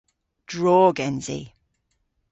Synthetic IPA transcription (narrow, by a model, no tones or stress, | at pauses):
d̥ɹɔːɡɛ̃nzḭ